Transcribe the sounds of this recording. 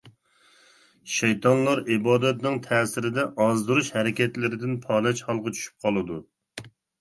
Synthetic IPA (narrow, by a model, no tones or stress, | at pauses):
ʃɛjt̪ɑnlˠɑɾibɑːd̪ɛt̪nɪŋt̪ʰɛːsɪɾɪd̪ɛʔɑzd̪uɾuʃhɛɾɪkʲɛt̪lɪɾɪd̪ɪnpʰɑːlɛt͡ʃhɑlˠqɑt͡ʃʰy̥ʃy̥p̚qʰɑlˠɨd̪u